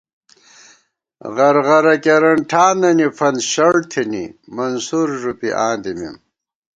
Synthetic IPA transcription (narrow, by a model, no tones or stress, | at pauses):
ʁɐɾʁɐɾɐkeɾɐɳʈʰaːnɐnifɐnɕɐɻt̪ʰinḭmɐnsuɾʐupiʔaːnd̪imḭm